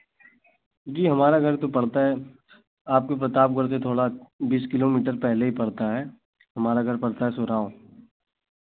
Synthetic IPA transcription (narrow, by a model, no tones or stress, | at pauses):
d͡ʒiːɦɐmaːɾaɡʱɐɾt̪opɐɽt̪aɦɛ | aːp̚kopɾɐt̪aːpɡɐɾt̪̬et̪ʰoːɽabiːskɪloːmiːʈəɾpɛɦleɦipɐɽt̪aɦɛː | ɦɐmaːɾaɡʱɐɾpɐɽt̪aɦɛsʊɾaːõ